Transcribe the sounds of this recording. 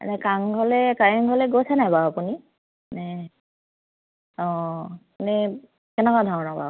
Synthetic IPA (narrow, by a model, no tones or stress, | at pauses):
ma̰nɛkaŋɡʱɔlɛkaɹɛŋɡʱɔlɛɡosʰɛnabaapuni | nɛ | ɔ̃ | anɛ | kɛnɛkadʱɔɹɔnɔba̰